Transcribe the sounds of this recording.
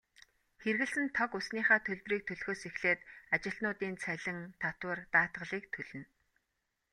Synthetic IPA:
xerɣɘ̆ɮsɘ̆nt̪ʰɔkʊsniːχaːt̪ʰɵɮʲpriːk̚t̪ʰɵɮxoːsexɮeːt̪at͡ɕɪ̆ɬt̪nʊːt̪iːnt͡sʰæɮʲɪ̆ŋt̪ʰat̪wə̆rt̪aːt̪ʁə̆ɮiːk̚t̪ʰɵɮɵ̆n

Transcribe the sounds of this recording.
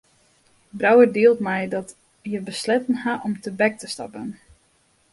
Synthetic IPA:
brawədiəlˠtmɛjdɔt | jəbəslɛtənhaʔɔmtəbɛk̚təstɑ̰pən

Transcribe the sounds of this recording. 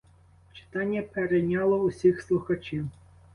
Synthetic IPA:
t͡ʃɪ̥t̪ɑnʲːɐpeɾejnʲɑlˠɔusʲixslˠʊxɐt͡ʃiw

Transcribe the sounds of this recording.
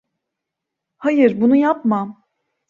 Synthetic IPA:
hajɯɾbunujapmam

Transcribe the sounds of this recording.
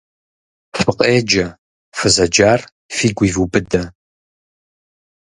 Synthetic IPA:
fɨqʼeːd͡ʒɐ | fɨzɐd͡ʒaːr | fiːɡʷiːvubɨdɐ

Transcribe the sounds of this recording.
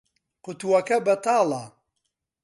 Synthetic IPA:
qʊt̪uwɐkɐbɐt̪ʰaːla

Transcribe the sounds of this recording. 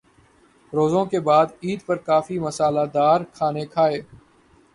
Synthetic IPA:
ɾoːzõkebaːd̪iːd̪pɐɾkaːfimɐsaːlad̪aːɾkʰaːnekʰaːeː

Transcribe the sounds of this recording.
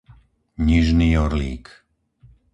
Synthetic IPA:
ɲiʒniːɔɾlḭːk

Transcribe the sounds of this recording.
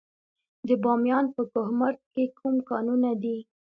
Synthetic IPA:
d̪əbɑmjɑnpəkʊhmaɾt̪̚kekʰumkɑnunad̪i

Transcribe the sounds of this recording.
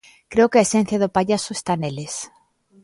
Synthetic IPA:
kɾeokeaesẽn̟θjaðʊpaʎasoe̥st̪aneles

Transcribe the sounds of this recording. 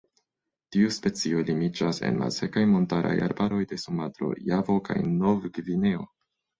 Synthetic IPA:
tiuspe̞t͡sio̞limid͡ʒase̞̰nma̰lse̞kajmo̞ntaɾʔa̰ja̰ɾbaɾo̞jde̞sumatɾo̞̰javo̞kajnovɡvine̞o̞̰

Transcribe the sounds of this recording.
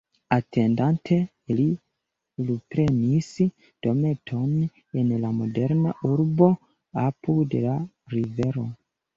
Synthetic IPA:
atʰe̞ndantʰe̞ | li | lupɾe̞nis | d̥o̞me̞tʰo̞n | enlamo̞de̞ɾnaʔuɾbo̞ | apʰude̞̰la | ɾive̞ɾo̞

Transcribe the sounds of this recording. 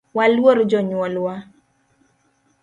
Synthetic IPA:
walwoɾd͡ʒɔɲwɔlwa

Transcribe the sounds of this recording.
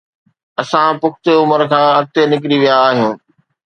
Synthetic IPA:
ɐsãpʊkt̪eʊməɾkʰãːɐɾt̪enɪk̬ɾiʋijaːɦijũː

